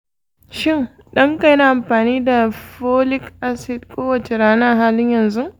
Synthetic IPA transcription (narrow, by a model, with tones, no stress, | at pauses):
ʃɪ˦ŋ | ɗɐ˦ŋka˨jna˦˨ʔa˨mɸaː˨niː˦da˨ɸoː˦lɪ˦kʔa˦sɪ˨d̚kʷʼoː˦wɐ˨t͡ʃe˨ɽaː˦naː˦˨ɦaː˦lɪ˦ɲjɐ˨nzu˦